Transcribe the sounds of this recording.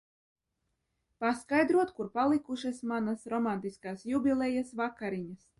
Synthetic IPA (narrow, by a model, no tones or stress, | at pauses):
paskajd̪ɾuɔt̪kuɾpalˠikuʃasmanasɾɔmant̪iskaːsjubʲilʲˠɛjasvakaɾiɲas